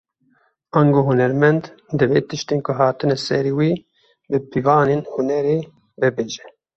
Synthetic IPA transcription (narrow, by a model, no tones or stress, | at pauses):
ɑŋɡoɦunɛɾmɛnd̪d̪ɨveːt̪ɨʃt̪eːnkʰʊɦaːt̪ɨnɛsɛɾiwiː | bɨpivɑːneːnhunɛɾeː | bɨbeːʒɛ